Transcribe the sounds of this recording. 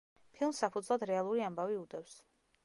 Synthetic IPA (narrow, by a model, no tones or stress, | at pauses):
pʰilˠmsːapʰud̪zlˠad̪ɾɛalˠuɾiambaviud̪ɛfs